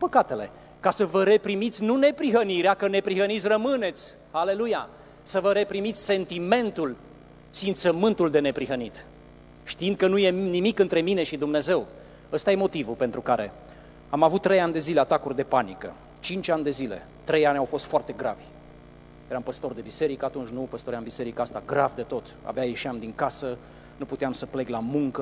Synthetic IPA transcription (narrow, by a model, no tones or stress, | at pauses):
pəkat̪e̞le̞̰ | kasəvəɾe̞pɾimit̪sʲnune̞pɾiɦəniɾeakəne̞pɾiɦənit̪sʲrəmɨne̞t̪sʲ | hale̞luja | səvəɾe̞pɾimit̪sʲse̞nt̪ime̞nt̪ul | fint̪səmɨnt̪uld̪e̞ne̞pɾiɦənit̪ | ʃt̪iind̪̚kənuje̞nimikɨnt̪ɾe̞mine̞ʃid̪umne̞ze̞w | əst̪aje̞mo̞t̪ivupe̞nt̪ɾukaɾe̞ | amavut̪ːɾejanʲd̪e̞zile̞at̪akurʲd̪e̞panikə̰ | t͡ʃint͡ʃanʲd̪e̞zile̞̰ | t̪ɾe̞janʲawfo̞st̪foart̪e̞ɡɾavʲ | jeɾampəst̪o̞rd̪e̞bise̞ɾikəat̪unt͡ʃʲnupəst̪oɾeambise̞ɾikəast̪aɡɾavd̪e̞t̪o̞t̪a̰beajeʃiamd̪iŋkasə | nuput̪eamsəpleɡlamuŋkə